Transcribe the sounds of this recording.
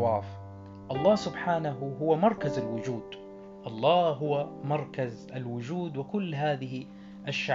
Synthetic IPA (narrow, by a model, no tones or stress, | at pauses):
waːf | ʔɑlˤːɑːsʊbħaːnaɦʊɦʊwamɑɾˤkazalwʊd͡ʒuːd̪̥ | ʔɑlˤːɑːɦʊwamɑɾˤkazʔalwʊd͡ʒuːd̪wɪkʊlːɦaːðɪɦi | ʔaʃːa